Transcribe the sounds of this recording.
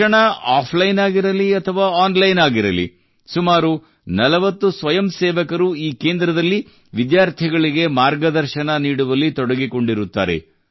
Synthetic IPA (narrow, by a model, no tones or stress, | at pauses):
ɐɳɐaːpʰlɐjnaːɡiɾɐliɐt̪ʰɐʋaːaːnlɐjnaːɡiɾɐ̰lḭ | sumaːɾu | nɐlɐʋɐt̪ːusʋɐjɐmseːʋɐkɐɾuiːke̞ːnd̪ɾɐd̪ɐlːi | ʋid̪jaːɾt̪ʰiɡɐɭiɡe̞maːɾɡɐd̪ɐɾʃɐnɐniːɽuʋɐlːit̪ɔɽɐɡiko̞ɳɖiɾut̪ːa̰ːɾḛ